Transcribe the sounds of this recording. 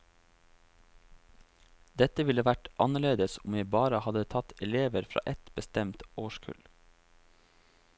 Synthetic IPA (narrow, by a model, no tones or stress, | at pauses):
d̪ɛt̪əʋɪləʋæʈʔɑnəɭeːd̪əsʊmʋjæɪbɑːɾəhɑd̪ət̪ʰɑt̪ʰɛleːʋəɾfɾɑ̰ːʔɛt̪bəst̪ɛmt̪oːʃkʰʉ̰l